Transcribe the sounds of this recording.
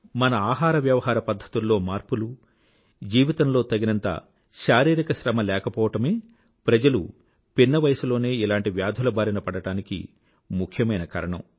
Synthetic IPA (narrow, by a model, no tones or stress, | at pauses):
mɐnɐaːɦaːɾɐʋjɐʋɐɦaːɾɐpɐd̪ʱːɐ̥t̪ulːo̞ːmaːɾpulu | d͡ʒiːʋit̪ɐmlo̞ːt̪ɐɡinɐnt̪a̰ː | ʃaːɾiːɾikɐʃɾɐmɐlɛːkɐpɔːʋɐʈɐme̞ː | pɾɐd͡ʒɐlṵ | pinːɐʋɐjɐsulo̞ːne̞ːilaːɳʈiʋjaːd̪ʱulɐbaːɾinɐpɐɽɐʈaːnikḭ | mukʰjɐmɐjnɐka̰ːɾɐɳɐ̰m